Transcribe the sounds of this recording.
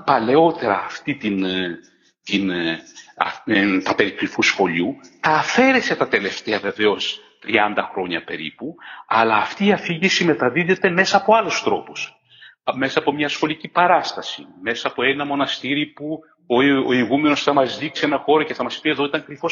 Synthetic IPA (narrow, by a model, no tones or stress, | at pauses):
pɐle̞o̞t̪e̞ɾɐ̰ːft̪it̪in | t̪in | ɐ̰t̪ɐpe̞ɾikɾifusxo̞ʎut̪ɐːfe̞ɾe̞se̞t̪ɐt̪e̞le̞ft̪e̞ɐve̞ve̞o̞s | t̪ɾiɐnd̪ɐxɾo̞ɲɐ̰pe̞̰ɾḭpuɐlɐːft̪iːɐfiʝisime̞t̪ɐðiðe̞t̪e̞me̞sɐːpoɐlost̪ɾo̞pu̥s | me̞sɐːpo̞mɲɐsxo̞licipɐɾɐst̪ɐsḭme̞sɐːpoenɐmo̞nɐst̪iɾipu | ooiɣume̞no̞sθɐmɐzðiksie̞nɐxo̞ɾɐce̞θɐmɐspie̞ðo̞it̪ɐŋkɾifos